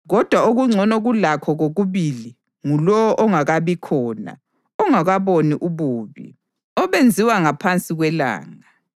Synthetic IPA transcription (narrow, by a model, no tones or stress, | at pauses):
ɣɔd̥ʱwauɣuŋ͡ǀʱɔnɔɣulakʰɔɣoɣuβili | ŋulɔɔʔɔŋaɣaβikʰɔːna̰ | ɔŋaɣaβoniʔuβuːβḭ | ɔβend͡zʱiwaŋapʰant͡sʼiɣwɛla̰ːŋa